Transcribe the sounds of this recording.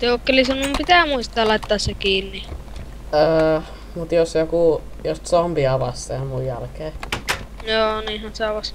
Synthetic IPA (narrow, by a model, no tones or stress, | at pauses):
t̪joːˑkːelisenːumpit̪æˑmuist̪ɑːlɑˑit̪ːɑːssekiːnːi | əː | mut̪josjokuˑ | jost̪sompiɑʋɑstːemujjælkeː | joːniːhɑnseɑʋɑs